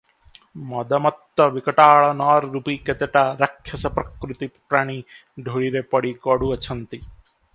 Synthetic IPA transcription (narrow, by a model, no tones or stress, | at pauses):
mɔd̪ɐmɐt̪ːɐʋikɐʈaːɭɐnaːɾːupiket̪eʈaɾɐkʰjɐsɐpɾɐkɾut̪ipɾaːɽ̃i | ɖʱoɭiɾepɐɽikɔɽuɐt͡ʃʰɐnt̪i